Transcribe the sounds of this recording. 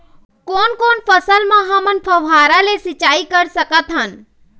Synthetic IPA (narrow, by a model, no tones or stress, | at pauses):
koːnkoːnpʰəsəlmãɦɐmənpʰəʋaːɾalesɪt͡ʃaːikəɾsəkət̪ɦən